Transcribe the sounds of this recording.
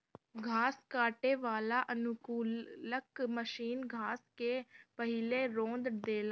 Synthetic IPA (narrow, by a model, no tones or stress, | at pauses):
ɡʱaːskaːʈeːʋaːlaːʔənʊkuːləkməʃiːnɡʱaːskeːpəɦɪleːɾõːnd̪d̪eːlaː